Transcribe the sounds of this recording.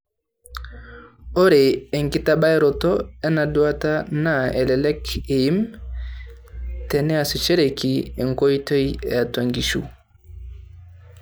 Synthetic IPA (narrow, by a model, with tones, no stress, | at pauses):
o˦ɾe˨e˨ŋki˦ta˦ɓa˦ɛ˦ɾɔ˨tɔ˦ɛ˦na˨du˦a˦ta˦na˦e˨lɛ˨lɛ˦ke˨i˦m | tɛ˨nɛ˦a˨su˨t͡ʃe˦ɾe˨ki˨e˨ŋko˦jto˦je˨a˨ta˨ŋɡi˨ʃṵ˦